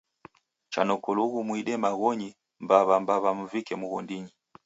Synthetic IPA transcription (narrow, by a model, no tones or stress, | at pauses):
t͡ʃa̰nɔkɔluɣumwiɗɛmaɣɔɲi | mbaβambaβamuvikɛmuɣɔndiɲi